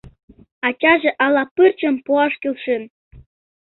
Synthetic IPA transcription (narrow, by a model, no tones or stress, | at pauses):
ɑt͡ɕɑʒĕʔɑlˠɑpɯrt͡ɕɤ̆mpuɑʂkilʃen